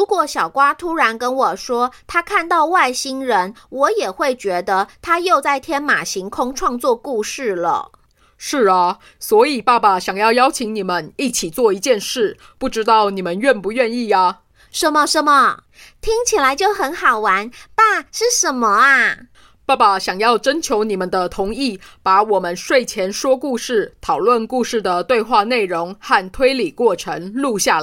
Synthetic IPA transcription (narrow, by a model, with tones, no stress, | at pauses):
ɻu˧˥kwɔ˧˩ɕjɑ˨˩ʊkwa˥t̪ʰu˥ɻa˧˥nkə˥nwɔ˨˩ʂwɔ˥t̪ʰa˥kʰa˥˧nt̪ɑ˥˧ʊwa˥˩ɪɕi˥ŋɻə˧˦nwɔ˨˧˥jɛ˨˩xwe˥˩ɪt͡ɕɥɛ˧˥d̪ə˧t̪ʰa˥jo˥˧ʊt͡sa˥˩ɪt̪ʰjɛ˥nma˨˩ɕi˧˥ŋkʰʊ˥ŋʈ͡ʂʰwɑ˥˧ŋt͡swɔ˥˧ku˥˧ʂɻ̩˥˩lə̰˨˩ | ʂɻ̩˥˩ɐ˨˩ | swɔ˧˥i˨˩pa˥˧˩pa˨˩ɕjɑ˨˩ŋjɑ˥˩ʊjɑ˥ʊt͡ɕʰi˧˥ŋni˨˩mə˦ni˥˩t͡ɕʰi˨˩t͡swɔ˥˩i˧˥t͡ɕjɛ˥˧nʂɻ̩˥˩ | pu˥˩ʈ͡ʂɻ̩˥t̪ɑ˥˩ʊni˨˩mə˦nɥɛ˥˩npu˨˧˦ɥɛ˥˧ni˥˩ɐ˨˩ | ʂə˥˩mə˨ʂə˥mə˨˩ | t̪ʰi˥ŋt͡ɕʰi˨˩la˧˥ɪt͡ɕjo˥˩ʊxə˧˥nxɑ˨˩ʊwa˧˥npa˥˩ʂɻ̩˥˩ʂə˧˥nmə˧a˧ | pa˥˧˩pa˨ɕjɑ˨˩ŋjɑ˥˩ʊʈ͡ʂə˥nt͡ɕʰjo˧˥ʊni˨˩mə˨˦nd̪ə˧t̪ʰʊ˧˥ŋi˥˩pa˧˥wɔ˨˩mə˦nʂwe˥˩ɪt͡ɕʰjɛ˧˥nʂwɔ˥ku˥˧ʂɻ̩˥˩t̪ʰɑ˨˩ʊlwə˥˧nku˥˧ʂɻ̩˥˩d̪ə˩t̪we˥˧ɪxwa˥˧ne˥˩ɪɻʊ˧˥ŋxa˥˩nt̪ʰwe˥ɪli˨˩kwɔ˥˩ʈ͡ʂʰə˧˥ŋlu˥˧ɕja˥˩l